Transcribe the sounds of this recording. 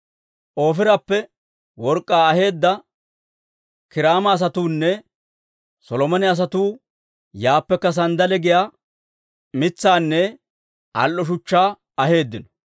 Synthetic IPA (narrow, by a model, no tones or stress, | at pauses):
ʔo̞ːfɪɾɐpːɛ | wɔɾkʼːaːɐhe̞ːd̪ːɐ | kɪɾaːmɐːs̬ɐt̪uːnːɛ | sɔlɔmɔnɪɐs̬ɐt̪uː | jaːpːɛkːɐs̬ɐnd̪ɐlɛɡɪja | mɪt͡sːaːnːɛ | ʔɐ̰lʔɔʃ̬ʊt͡ʃːaː | ɐhe̞ːd̪ːɪnɔ̥